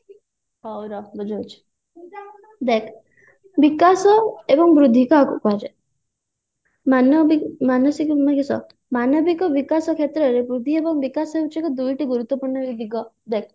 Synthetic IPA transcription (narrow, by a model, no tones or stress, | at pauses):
ɔwɾɔbɔd͡ʒawt͡ʃʰi̥ | d̪ekʰ | bikasɔebɔŋbɾud̪ʱikakkad͡ʒe | manɔbimanɔsikmakisɔ̰ | manɔbikɔbikasɔkʰet̪ɾɔɾebɾud̪ʱiebɔŋbikasɔeut͡ʃʰikɔd̪ujʈiɡuɾut̪ːɔpuɾɳɔbibʱiɡɔ | d̪ek̚ʰ